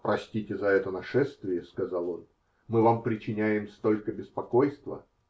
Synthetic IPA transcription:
pɾɐsʲtʲitʲɪzɐɛt̪ənɐʂɛst̪vʲɪjəskɐzalˠo̞n | mɨvampɾʲɪt͡ɕɪnʲæjɪmst̪o̞lʲkəbʲɪspɐko̞jst̪və̰

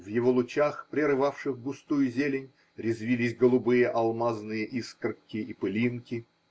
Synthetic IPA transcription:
vjɪvolˠʊt͡ɕaxpɾʲɪɾɨvafʂɨxɡʊst̪ujʊzʲelʲɪnʲ | ɾʲɪzvʲilʲɪsʲɡəlˠʊbɨjəʔɐlˠmaznɨjəʔiskrkʲɪipɨlʲinkʲɪ

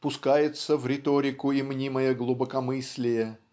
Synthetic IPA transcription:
pʊskajɪt̪səvɾʲɪt̪oɾʲɪkʊimnʲiməjəɡlˠʊbəkɐmɨsʲlʲɪjə

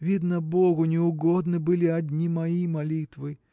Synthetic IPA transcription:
vʲid̪nəboɣʊnʲɪʊɡod̪nɨbɨlʲɪɐd̪ʲnʲimɐimɐlʲit̪vɨ

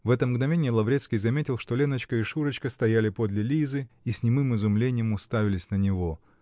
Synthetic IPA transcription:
vɛt̪əmɡnɐvʲenʲɪjəlˠɐvɾʲet̪skʲɪjzɐmʲetʲɪlˠʂt̪o̞lʲenət͡ɕkəiʂuɾət͡ɕkəst̪ɐjalʲɪpo̞d̪lʲɪlʲizɨ | isʲnʲɪmɨmɨzʊmlʲenʲɪjəmʊst̪avʲɪlʲɪsʲnənʲɪvo̞

